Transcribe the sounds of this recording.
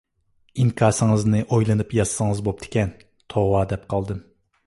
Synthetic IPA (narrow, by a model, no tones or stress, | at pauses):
iŋkʲʰɑɾsɨŋɨznɨʔojlˠɨnɨpjɑssɨŋɨzbop̚t̪ʰɪ̥kʲɛn | t̪ʰowɑd̪ɛp̚qʰɑlˠd̪ɨm